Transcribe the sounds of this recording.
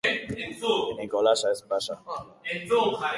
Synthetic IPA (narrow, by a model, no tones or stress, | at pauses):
ĩŋkɔlaʃaɛsbaʃa